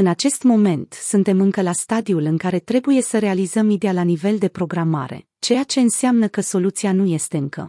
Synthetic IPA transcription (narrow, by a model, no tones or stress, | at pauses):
ɨnat͡ʃe̞st̪mo̞me̞nt̪sɨnt̪e̞mɨŋkəlast̪ad̪iulɨŋkaɾe̞t̪ɾe̞buje̞səɾe̞alizəmid̪e̞alanive̞ld̪e̞pɾo̞ɡɾama̰ɾe̞̰ | t͡ʃe̞jat͡ʃe̞ɨnseamnəkəso̞lut̪sianuje̞st̪e̞ɨŋkʰə̰